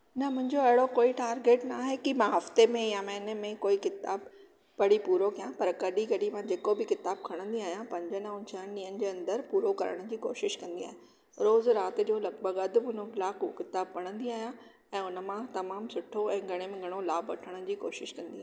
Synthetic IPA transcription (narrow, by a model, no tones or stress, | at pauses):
nɐmʊ̃ɦɪ̃ɲd͡ʑoɐɦɪɽokoːiʈaːɾɡeːʈnaːɦekimãɦɐft̪emẽjamɛ̃ːnəmẽkoːikɪt̪aːb | pɐɽ̤ipuːɾokijãpɐɾkɐɗikɐɗimãd͡ʑeːkobɪkɪt̪aːb̚kʰɐɽ̃ə̃nd̪iaːɦijãpɐ̃ɲd͡ʑənaʊ̃nt͡ɕʰaənɪ̆ɗiːɦənɪ̆d͡ʑeːɐ̃nd̪əɾpuːɾokɐ̰ɾə̰ɽ̃ʊ̆d͡ʑiːko̰ːʃɪʃkɐ̃nd̪iaːɦe | ɾoːzɾaːt̪ɪ̆d͡ʑoːlɐɡbəɡɐd̪ɪbʊnlaːkkɪt̪aːb̚kɐɽ̃ə̃nd̪iaːɦijã | ɛ̃ːʊnə̆mãt̪ɐmaːmsʊʈʰoɛ̃ːɡʱɐɽ̃emẽɡʱɐɽ̃olaːbɐ̰ʈʰəɽ̃ʊ̆d͡ʑiːko̰ːʃɪʃkɐ̃nd̪iaː